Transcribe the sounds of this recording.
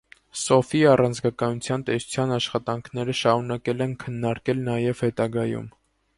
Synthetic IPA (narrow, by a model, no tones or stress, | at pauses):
sɔfiɑrɑnt͡sɡɑkɑnut͡sʰjɑnt̪ɛsu̥t͡sʰjɑnɑʃχɑt̪ɑŋkʰnɛɾəʃɑɾunɑkɛlɛnkʰənːɑɾkɛlnɑjɛvhɛt̪ɑɡɑjṵm